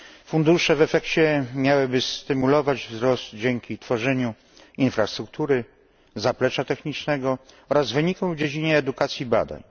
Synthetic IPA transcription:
fund̪uʂɛvɛfɛkt͡ɕɛmʲjawɘbɘst̪ɘmulɔvad͡ʑvzɾɔst̪d͡ʑɛŋkʲit̪fɔʐɛɲu | infɾast̪ɾuk̚t̪uɾɘ | zaplɛt͡ʂat̪ɛxɲit͡ʂnɛɡɔ | ɔɾazvɘɲikɔ̃w̃vd͡ʑed͡ʑiɲɛːd̪ukat̪sʲjiba̰d̪a̰ɲ

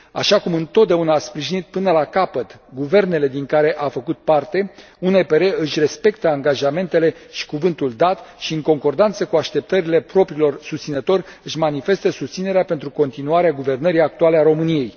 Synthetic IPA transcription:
a̰ʃakumɨnt̪ot̪̚d̪aunaːspɾiʒinit̪̚pɨnəlakapət̪ɡuve̞rne̞le̞d̪iŋkaɾe̞ʔafəkut̪̚part̪e̞ | unepe̞ɾe̞ɨʃʲre̞spe̞kt̪əaŋɡaʒame̞nt̪e̞le̞ʃi̥kuvɨnt̪uld̪at̪ʃiɨŋko̞ŋko̞rd̪ant̪səkuaʃt̪e̞p̚t̪əɾile̞pɾo̞pɾiːlo̞rsust̪sinət̪o̞ɾʲ | ɨʃmanife̞st̪əsust̪sine̞ɾeape̞nt̪ɾuko̞nt̪inuaɾeaɡuve̞rnəɾijak̚t̪ualeaɾo̞mɨnije̞j

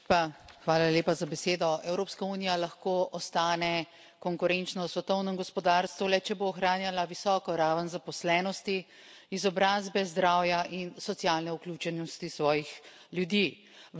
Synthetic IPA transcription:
paxʋaːlaleːpazabɛseːd̪ɔɛwɾoːpskauːnijalaxkoɔst̪aːnɛ | kɔŋkuɾɛnt͡ʃnɔsʋɛt̪ɔwnəmɡɔspɔd̪aːɾst̪ʋulɛt͡ʃɛboːxɾaːnjalaʋisɔːkɔɾaːʋənzapɔslɛːnɔst̪i | izɔbɾaːzbɛzd̪ɾaːwjaʔinsɔt̪sijaːlnɛuklʲuːt͡ʃɛnɔst̪isʋɔːjix | ljud̪iː

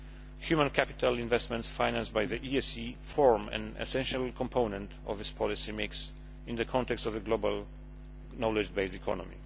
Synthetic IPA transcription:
hjumãnkʰæpit̪ʰalɪ̃nvɛstmɛ̃ntsfajnãnstbajðəʔiɛsifɔɹmɛ̰̃nɛ̰sɛ̃nʃalˠkʰɔ̃mpʰõʊnɛ̃nt | ɔ̰vɪspʰɔlisimɪks | ɪ̃nðəkʰɔ̃ntɛkstɔvəɡlobalˠ | nɔlɛd͡ʒbeɪstikʰɔ̰nɔ̰mḭ

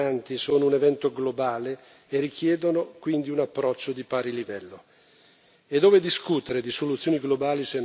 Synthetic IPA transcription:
ant̪isoːnounevɛnt̪oɡlobaːleː | rikʰjɛːd̪onokwind̪iunapːɾɔt͡ʃːod̪ipaːɾilivɛlːo | ed̪ːoːved̪iskut̪eɾed̪isolut̪sːjoːniɡlobaːlisen

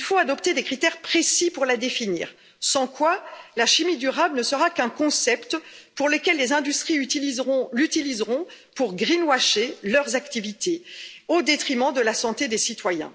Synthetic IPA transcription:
ilfoad̪ɔpt̪ed̪ekχit̪ɛʁpχesipuʁlad̪efinḭːʁ | sɑ̃kwalaʃimid̪yʁablnəsəʁakɛ̃kɔ̃sɛpt̪puʁlekʲɛlːezɛ̃d̪yst̪χiyt̪ilizʁɔ̃lyt̪ilizʁɔ̃puʁɡʁinwaʃelœʁzakt̪ivit̪eod̪et̪χimɑ̃d̪əlasɑ̃t̪ed̪esit̪wajɛ̰̃

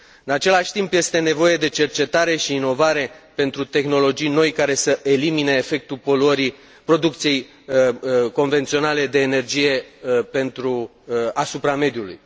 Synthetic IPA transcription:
ɨnat͡ʃe̞laʃʲt̪impje̞st̪e̞ne̞vo̞je̞d̪e̞t͡ʃe̞rt͡ʃe̞t̪aɾe̞ʃiːno̞vaɾe̞pe̞nt̪ɾut̪e̞xno̞lo̞d͡ʒijno̞jkaɾe̞səʔe̞limineːfe̞k̚t̪upo̞luəɾi | pɾo̞d̪uk̚t̪sije̞j | ko̞nve̞nt̪sio̞nale̞d̪e̞ːne̞rd͡ʒije̞pe̞nt̪ɾu | asupɾame̞d̪julṵj

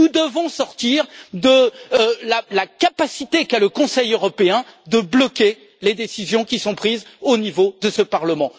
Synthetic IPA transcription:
ud̪əvɔ̃sɔʁt̪iʁd̪əlalakapasit̪ekaləkɔ̃sɛjøʁɔpeɛ̃d̪əblɔkʲe | led̪esizjɔ̃kʲisɔ̃pχizonivod̪əsəpaʁləmɑ̃

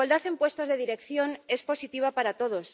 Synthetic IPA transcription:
ald̪aθempwe̞st̪ozðeðiɾe̞kθjo̞ne̞spo̞sit̪iβ̞apaɾat̪oð̞os

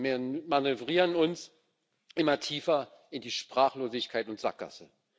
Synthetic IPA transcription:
manøvʁiːʁənʊns | ʔɪmɐtʰiːfɐ | ɪndiːʃpʁ̥aːχloːzɪçkʰaɪtʊntz̥a̰k̚ɡ̥a̰sə

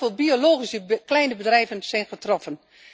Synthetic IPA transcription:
elˠbioloːχisəklɛjnəbədrɛjvənsɛjnχətrɔfən

